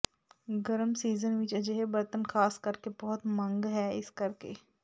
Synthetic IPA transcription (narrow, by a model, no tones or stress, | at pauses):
ɡɐɾəmsiːzənʋɪt͡ʃɐd͡ʒeɦebɐɾt̪ənxʰaːskɐɾkebɔɦʊt̪mɐ̃ŋɡɦɛːɪskɐɾkeː